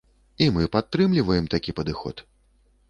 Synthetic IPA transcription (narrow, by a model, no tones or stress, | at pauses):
imɨpat̪ːɾɨmlʲivɐjɛmt̪akʲipɐd̪ɨxɔ̰t̪